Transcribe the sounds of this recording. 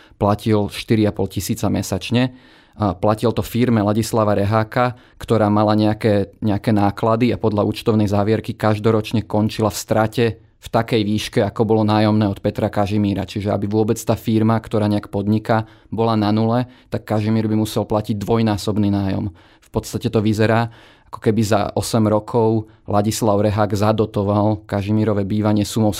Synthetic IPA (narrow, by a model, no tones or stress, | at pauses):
placilʃt̪iɾiapɔlcisiːt͡samɛsat͡ʃɲɛ | placilt̪ɔfiɾmɛlaɟislaʋaɾɛɦaːka | kt̪ɔɾaːmalaɲɛakɛːɲɛakɛːnaːklad̪iapɔd̪laʔuːt͡ʃt̪ɔʊnɛjzaːʋɪɛɾkikaʒd̪ɔɾɔt͡ʃɲɛkɔnt͡ʃilafst̪ɾacɛ | ft̪akɛjʋiːʃkɛakɔbɔlɔnaːjɔmnɛːɔt̪̚pɛt̪ɾakaʒimiːɾat͡ʃiʒɛa̰biʋʊɔbɛt͡st̪aːfiɾmakt̪ɔɾaːɲɛakpɔd̪ɲika | bɔlananulɛt̪akːaʒimiːɾbimusɛlplaciɟ̚d̪ʋɔjnaːsɔbniːnaːjɔ̰m | fpɔt̪st̪acɛt̪ɔʋizɛɾaː | akɔ̥kɛbiza̰ɔsɛmɾɔkʰɔʊ | lʔaɟislaʊɾɛɦaɡzad̪ɔt̪ɔʋalkaʒimiːɾɔʋɛbiːʋaɲɪɛsumɔʊ